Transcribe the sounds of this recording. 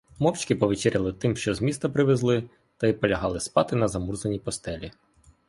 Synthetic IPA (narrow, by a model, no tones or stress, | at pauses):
mɔwt͡ʃkɪpɔʋʲit͡ʃɪɾʲɐlˠɪt̪ɪmʃt͡ʃɔzmʲist̪ɐpɾɪʋezlˠɪ | t̪ɐipɔlʲɐɦɑlˠɪspɑt̪ɪnɐzɐmurzɐnʲipɔst̪ɛlʲi